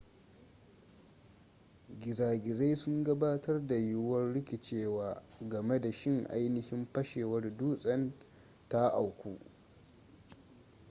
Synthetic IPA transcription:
ɡʲɪ˨zaː˨ɡʲɪ˨za˦jsʊ˦ŋɡɐ˦baː˦tɐ˦rda˨jʊ˦wɐ˦rɽɪ˦kʲɪ˨t͡ʃeː˦waː˦ɡɐ˨me˦da˨ʃɪ˦ŋʔa̰˦jnɪ˦hɪ˦mpɐ˦ʃeː˨wɐ˦rduː˦sʼɐ˦n | ta˦ʔa˨wkʷuː˦ʔ

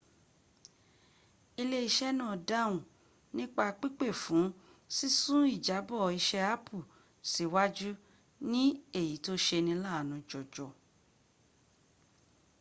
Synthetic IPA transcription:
i˧le˦i˧ʃɛ˦nã˦˨da˦˨ũ˨ | nĩ˦k͡pa˧k͡pi˦k͡pe˦˨fũ˨˦si˦sũ˦i˦˨d͡ʒa˨˦bɔ˦˨i˧ʃɛ˧a˦pʰu˦˨ | si˨˦wa˦d͡ʒu˦ | nĩ˦e˦˨ji˨˦to˦ʃe˧nĩ˧la˦˨nũ˧d͡ʒɔ˨d͡ʒɔ˨

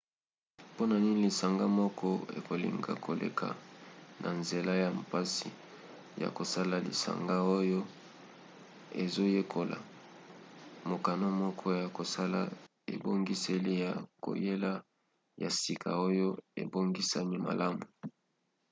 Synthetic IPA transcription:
po˦na˨ni˦ni˦li˨sa˨ŋɡa˦mɔ˦kʰɔ˦ḛ˨ko˨lḭ˨ŋɡa̰˨kʰo˨lḛ˨kʰa̰˨nʔa˨nze˨la˦ja˨mpa˦si˨ | ja̰˨ko˨sa˦la˨lḭ˨sa̰˨ŋɡa˦o˦jo˦ | e˨zo˦je˦kʰo˨la̰˨ | mo˨ka˨no˦mɔ˦kʰɔ˦ja˨ko˨sa˦la̰˦ | ḛ˨bo˦ŋɡi˦se˦li˦ja˨ko̰˨je˦la˦ | ja˨si˨kʰa˨o˦jo˦ḛ˨bo˦ŋɡi˦sa˦ni˦ma̰˨la˦mu˨

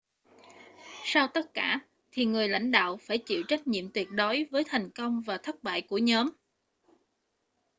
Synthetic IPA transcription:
saː˧wt̪ə˦˥t̚kaː˧˩ | t̪ʰi˨˩ŋɨ˨˩əjla̰˧˥jŋ̟ɗa̰ː˧˨wfaː˧˩jt͡ɕḭ˧˨wt͡ɕa˦˥k̟̚ɲḭ˧˨əmt̪wi˨˩ət̚ɗo˨˦jvəː˨˦jt̪ʰa˨˩jŋ̟kə˧wŋ͡mvaː˨˩t̪ʰə˦˥t̚ɓa̰ː˧˨jku˧˩əɲɔː˨˦m

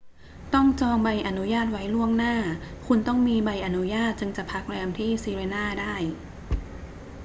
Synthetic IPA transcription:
t̪ɔ˥˩ŋt͡ɕɔː˧ŋba˧jʔa˨˩nu˦˥jaː˥˩t̪̚wa˦˥jlu˥˩əŋnaː˥˩kʰu˧nt̪ɔ˥˩ŋmiː˧ba˧jʔa˨˩nu˦˥jaː˥˩t̪̚t͡ɕɯ˧ŋt͡ɕa˨˩pʰa˦˥k̚lɛː˧mt̪ʰiː˥˩siː˧ɾeː˧naː˥˩daː˥˩j

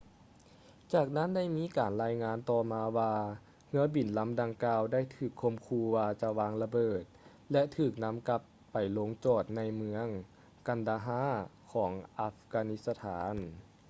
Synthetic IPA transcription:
t͡ɕaː˧˩k̚na˥˨nda˥˩jmiː˧˥kaː˨˩nlaː˧˥jŋaː˧˥nt̪ɔː˧˩maː˧waː˧ | ŋɯ˧˥əbi˨˩nla˧˥mda˧ŋkaː˧wda˥˨jt̪ʰɯː˧˩kʰːo˧˥mkʰuː˧waː˧t͡ɕa˧waː˧ŋla˧bɤː˧˨˩t̪̚ | lɛ˧˥ʔt̪ʰɯː˧˩k̚na˧˥mka˧˦˥pːa˨˩jlo˧ŋt͡ɕɔː˧˩t̪̚na˧jmɯ˧˥əŋ | ka˧˩ndaː˧ɦaː˧˥˨kʰɔː˩˦ŋʔa˧˥fkaː˧ni˧t̪̚sa˧t̪ʰaː˩˦n

